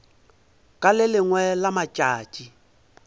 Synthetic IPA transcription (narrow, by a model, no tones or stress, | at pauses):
kʼalɪlɪŋwɛlamat͡ʃʼaːt͡ʃʼi